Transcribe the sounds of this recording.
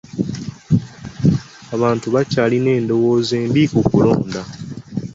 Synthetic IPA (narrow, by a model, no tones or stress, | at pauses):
aβaːntuβacaːline̞ːndo̞woːze̞ːmbikukulo̞̰ːnda